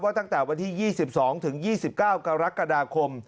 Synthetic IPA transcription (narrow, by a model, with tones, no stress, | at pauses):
waː˥˩t̪a˥˩ŋt̪ɛː˨˩wa˧nt̪ʰiː˥˩jiː˥˩si˨˩p̚sɔː˩˦ŋt̪ʰɯ˩˦ŋjiː˥˩si˨˩p̚kaː˥˩wka˧ɾa˦˥ka˧daː˧kʰo˧m